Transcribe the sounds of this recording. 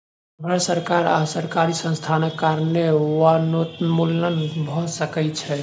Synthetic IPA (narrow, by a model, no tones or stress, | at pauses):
bʱəsəɾkaɾa̰səɾkaɾisə̃nst̪ʰanekːaɾnewanot̪mulənbʱɔsəkɛt͡ʃʰɛ